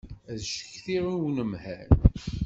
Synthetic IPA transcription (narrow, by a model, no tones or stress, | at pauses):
æðʃə̥çθiɾunwnəmhæn